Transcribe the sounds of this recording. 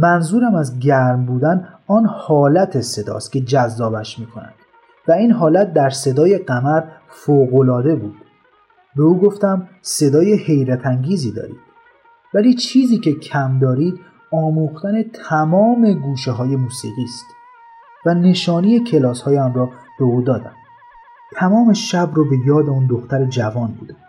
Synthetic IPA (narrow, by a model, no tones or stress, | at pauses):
mænzuːɾæmæzɟæɾmbuːd̪ænɒːnhɒːlæt̪ʰese̞d̪ɒ̰ːst̪cʲʰe̞d͡ʒæzːɒːbæʃmiːkʰonæ̰nd̪̥ | væiːnɦɒːlæt̪̚d̪æɾse̞d̪ɒːje̞ɢæmæɾ | foːɣo̞lɒːd̪e̞buːd̪̥ | be̞uːɡo̞ft̪æmse̞d̪ɒːjehe̞jɾæt̪ʰæŋɟiːziːd̪ɒ̰ːɾḭːd̪̥ | væliːt͡ʃʰiːziːcʰe̞cʰæmd̪ɒːɾiːd̪ | ɒːmuːxt̪æne̞t̪ʰæmɒːme̞ɡuːʃeɦɒːje̞muːsiːɣiːst̪ | væne̞ʃɒːnijecʰe̞lɒːshɒːjæmrɒː | b̥euːd̪ɒːd̪æ̰m | t̪ʰæmɒːme̞ʃæbɾɒbe̞jɒːd̪e̞und̪o̞xt̪æɾed͡ʒævɒːnbṵːd̪æ